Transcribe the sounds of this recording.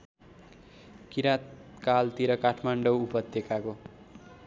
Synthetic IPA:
kiɾat̪kalt̪iɾʌkaʈʰmaɳɖʌwupʌt̪ːjʌkako

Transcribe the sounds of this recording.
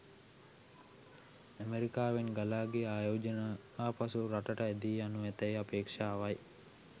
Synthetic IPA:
əmeɾikaːʋeŋɡalaːɡeaːjoːd͡ʒəna | aːpɐsuɾaʈɐʈɐed̪iːɐnuʋɛt̪ɐjapeːkʂaːʋɐj

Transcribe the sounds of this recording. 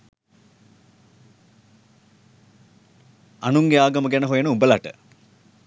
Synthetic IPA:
anuŋɡeaːɡəməɡænəɦojenəubəlaʈə̰

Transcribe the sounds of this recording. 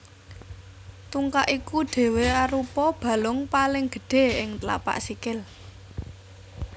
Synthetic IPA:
t̪uŋkaʔikuɖ̥e̤weaɾupɔb̥ä̤lʊŋpalɪŋɡ̥ə̤ɖ̥e̤ɪŋt̪la̰pa̰ʔsikɪl

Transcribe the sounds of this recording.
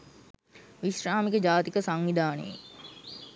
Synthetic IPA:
ʋiʃɾaːmikəd͡ʒaːt̪ikəsaŋʋid̪ʱaːnḛjḛ

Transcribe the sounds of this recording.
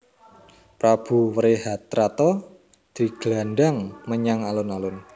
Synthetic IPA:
pɾab̥ṳwəɾeɦat̪ːɾat̪ɔ | d̪̥i̤ɡ̥lanɖaŋməɲaŋalʊnalʊn

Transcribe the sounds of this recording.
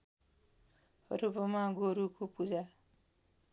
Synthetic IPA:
ʌ̰ɾubʌmaɡoɾukopud͡za

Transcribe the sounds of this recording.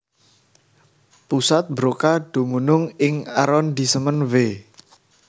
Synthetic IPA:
pusat̪̚bɾokaɖ̥o̤munʊŋɪŋaɾɔnd̪̥i̤səmənwe

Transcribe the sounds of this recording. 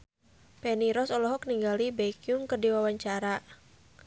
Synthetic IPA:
pɛniɾɔsɔlɔɦɔk̚niŋɡalibejkijuŋkɨrdiwawaɲt͡ʃaɾa

